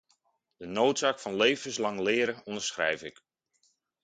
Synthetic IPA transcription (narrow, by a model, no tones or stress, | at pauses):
d̥ənowtsaːkfɑnlejvənslɑŋlɪːɾəɔndəɹsχrɛ̰jfɪk